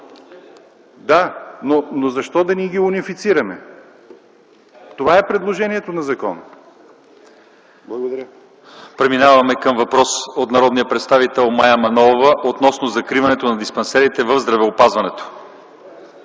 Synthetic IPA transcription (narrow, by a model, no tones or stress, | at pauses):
d̪anonozɐʃt̪ɔd̪ɐniɡʲiunifit̪siɾɐmɛ̰ | t̪ovaɛpɾɛd̪lˠoʒɛniɛt̪onɐzɐkɔnə | ɡ̪ | pɾɛminavɐmɛkəmvɐpɾɔsot̪nɐɾɔd̪nijəpɾɛt̪st̪avit̪ɛlˠmajəmɐnɔvəʔot̪nɔsnozɐkɾivɐnɛt̪onɐd̪ispɐnsɛɾit̪ɛvəvzd̪ɾɐvɛopazvɐnɛt̪o̥